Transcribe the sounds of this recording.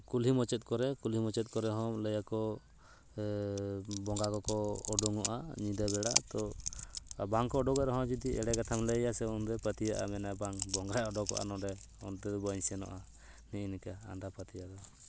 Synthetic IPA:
kulɦimɔt͡ʃɛt̪̚ˀkɔɾɛkulɦimɔt͡ʃɛt̪̚ˀkɔɾɛɦɔmləjakɔ | bɔŋɡakɔkɔːɖuŋɔʔa̰ɲid̪abɛɽat̪ɔ | baŋkɔːɖɔɡɛɾɦɔ̃d͡ʒud̪iɛɽɛɡat̪ʰamləjasɛɔnd̪ɛpət̪ijaʔamɛnabaŋbɔŋɡɾaɔɖɔkɔ̰ʔa̰nɔɖɛ | ɔnd̪ɛd̪ɔbaɲsɛnɔ̰ʔa | niʔinika̰ːndapat̪ijad̪ɔ

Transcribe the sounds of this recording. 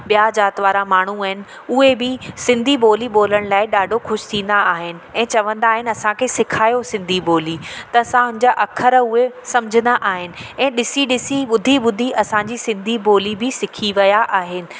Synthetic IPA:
ɓijad͡ʑaːt̪ʋaːɾamaːɳ̤uaːɦɪnɪ̆ | ʊɦebɪsɪ̃nd̪ʱiɓoːliɓoːləɽ̃laːɪɗaːɖʱoxʊʃɪ̥t̪ʰĩːn̆d̪aaːɦɪnɪ̆ɛ̃ːt͡ɕɐʋə̃nd̪aːɦɪnɪ̆ɐsãkʰeːsɪkʰaːjosɪ̃nd̪ʱiboːlit̪ɐɐsãɦʊ̃nɪ̃ɲd͡ʑaʔɐkʰəɾʊɦesɐmd͡ʑʱə̃nd̪aʔaːɦɪnɪ̆ɛ̃ːɗɪsiɗɪsiɓʊd̪ʱiɓʊd̪ʱiʔɐsãɲd͡ʑisɪ̃nd̪ʱiboːlibɪsɪkʰiʋɐjaʔaːɦɪnɪ̆

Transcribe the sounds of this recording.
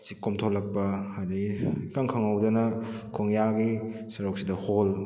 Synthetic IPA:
sikomtʰolːɐk̚pɐadikaŋkʰɐŋɐwdɐnɐkʰoŋjaɡisɐɾoksidɐhol

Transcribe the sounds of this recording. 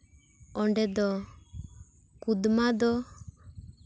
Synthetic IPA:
ɔɳɖɛd̪ɔ | kud̪mad̪ɔ

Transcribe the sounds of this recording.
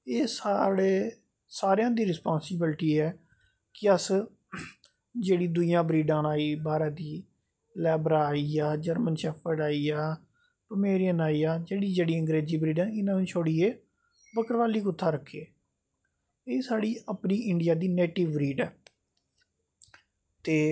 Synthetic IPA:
eːsaːɽeː | saːɾejãːd̪iːɾɪspãːnsɪbɪlʈiːɦɛː | kɪəs | d͡ʒeːɽiːd̪ʊjãːbɾiːɖãːnaːiːbaːɾaːd̪iː | lɛːbɾaːiːaːd͡ʒəɾmənʃɛːpʰəɖaːiːaː | pəmeːɾijənaːiːaːd͡ʒeːɽiːd͡ʒeːɽiːəŋɡɾeːziːbɾiːɖãːnɪnãːnũːt͡ʃʰoːɽiːeː | bəkəɾʋaːliːkʊt̪ʰːaːɾəkʰːeː | eːsaːɽiːəpniːɪɳɖɪjaːd̪iːneːʈiʋːɾiːɖɛː | t̪eː

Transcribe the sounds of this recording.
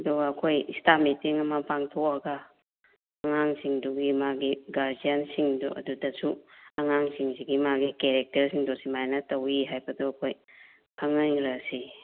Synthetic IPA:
ɐduɡɐːkʰojistamitiŋɐmɐpaŋtʰokɐɡɐː | ŋaŋsiŋduɡimaɡiɡaɾdijansiŋdṵʔɐ̰dudɐsuɐŋaŋsiŋsiɡimaɡikeɾek̚tɐɾsiŋdosimajnɐtɐwiɦajbɐdoɐkʰoj | pʰaŋajɾɐsi

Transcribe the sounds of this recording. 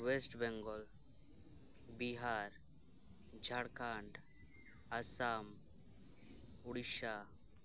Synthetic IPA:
wesʈbɛŋɡɔl | biɦaɾ | d͡ʒʱaɽkaɳɖ | asam | uɽiʃa

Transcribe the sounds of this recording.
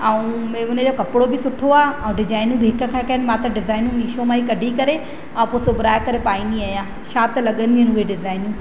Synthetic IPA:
ɐũmẽʊnəd͡ʑoːkɐpɪɽobɪsʊʈʰoaːɐ̃ũɖɪd͡ʑaːɪnũbɦɪk̆kʰãːkɐɦənɪ̆mãːt̪ɐɖɪzaːɪnũmiːʃomãːikɐɖʱikɐɾe | ɐ̃ũposʊbʱɾaːjkɐɾepaːiniaːjãː | ʃaːt̪lɐɠənd̪iənɪɦʊeɖɪzaːɪnũː

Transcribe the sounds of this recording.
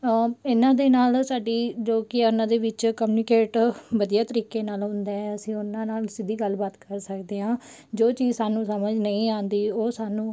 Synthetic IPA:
ɪnãːd̪eːnaːlsaːɖiːd͡ʒoːkɪʊnãːd̪eːʋɪt͡ʃkəmjuːnɪkeːʈʋəd̪ijaːt̪əɾiːkeːnaːlɦʊ̃nd̪eːɛəsĩːʊnãːnaːlsɪd̪iːɡəlbaːt̪kəɾsəkd̪eːɦãː | d͡ʒoːt͡ʃiːzsaːnũːsəməd͡ʒnəĩːaːnd̪iːoːsaːnũː

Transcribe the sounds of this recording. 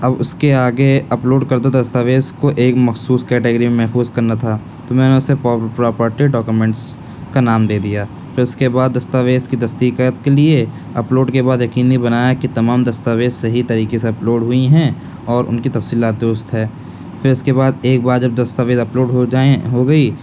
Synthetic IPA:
ɐbʊskeaːɡeɐploːɖkɐɾd̪ad̪ɐst̪aʋeːskoʔeːkmɐxsuːskɛːʈeɡəɾimẽmɛɦfuːzkɐɾnat̪ʰa | t̪omɛ̃ːneʊsepːpɾɔːpəɾʈiɖɔːkumɛ̃ːɳʈs | kanaːmd̪eːd̪ijaː | fɪɾʊskebaːd̪ːɐst̪aʋeːzkid̪ɐst̪ikət̪̚kelie | ɐploːɖkebaːd̪jɐkiːnibɐnaːjakit̪ɐmaːmd̪ɐst̪aːʋeːzseɦit̪ɐɾiːkeseɐploːɖɦʊiɦɛ̃ | ɔːɾʊ̰nkit̪ɐfsiːlaːt̪̚d̪ɾʊst̪ɦɛː | fɪɾʊskebaːd̪eːk̚baːd̪d͡ʒɐb̚d̪ɐst̪aʋeːzɐploːɖɦod͡ʒeɦoɡɐi

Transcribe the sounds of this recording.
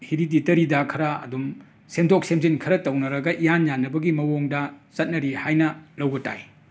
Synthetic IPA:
hiɾiditɐɾidakʰɐɾɐɐ̰dum | semdok̚semzinkʰɐɾɐtɐwnɐɾɐɡɐʔijanjanːɐbɐɡimɐwoŋdɐsɐt̚nɐɾihajnɐlɐwɡɐta̰j

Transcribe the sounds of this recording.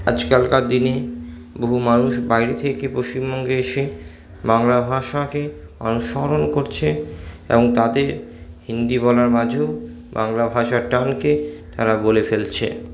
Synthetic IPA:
a̰d͡ʑkalkad̪ine | boɦumanuʃbajɾet̪ʰekepɾoʃt͡ɕimbɔŋɡeeʃe | baŋlabʱaʃake | ma̰nuʃɔɦɾonkoɾt͡ɕʰe | ḛboŋt̪ad̪eɾhind̪ibɔlaɾmad͡ʑʱeo | ba̰ŋlabʱaʃaɾʈanket̪aɾabolefelt͡ɕʰḛ

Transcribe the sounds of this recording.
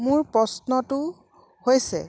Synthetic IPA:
mʊɹpɹɔsnɔtʊ | hojsɛ̰

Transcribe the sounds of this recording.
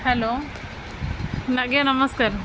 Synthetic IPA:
hɛloː | nɐɡjanɐməskaːɾ

